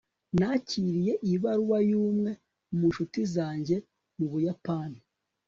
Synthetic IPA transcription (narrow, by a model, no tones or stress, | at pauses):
naciɾije̞ʔiβaɾuwajuːmŋe̞ | muʃutizaːɲɟe̞ | muβujapaːni